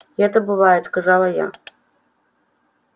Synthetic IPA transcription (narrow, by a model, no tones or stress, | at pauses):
ɣɛt̪ɐbɨvajɛt̪skazalˠɐja̰